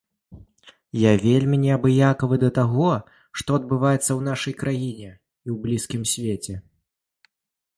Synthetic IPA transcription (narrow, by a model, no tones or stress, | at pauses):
javʲelʲmʲinʲɛabɨjakɐvɨd̪ɐt̪aɣɔ | ʂt̪ɔɐd̪̚bɨvajɛt̪sːɐwn̪aʂɐjkɾajinʲɛ | iwblʲiskʲimsʲvʲet͡sʲɛ